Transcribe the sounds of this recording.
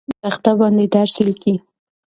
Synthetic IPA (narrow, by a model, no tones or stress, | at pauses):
t̪axt̪abɑnd̪ed̪aɾsliki